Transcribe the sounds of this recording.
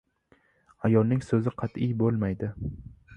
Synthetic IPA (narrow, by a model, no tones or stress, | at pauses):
ajɒlˠnɪŋsɵzɪqʰɑt̪ɪjbolˠmajd̪ɪ